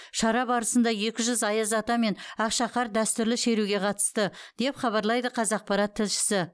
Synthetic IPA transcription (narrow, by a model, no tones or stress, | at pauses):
ʃɑɾɑbɑɾəsənd̪ɑje̞kʲɪʒʏzɑjəzɑt̪ɑme̞nɑqʃɑqɑɾd̪æst̪ʏɾlɪʃe̞ɾuɡʲe̞qʰɑt̪ə̥st̪əd̪̥e̞pχɑβɑɾlˠɑjd̪əqʰɑzɑq̚pɑɾɑt̪ʰːɪlʃɪ̥sɪ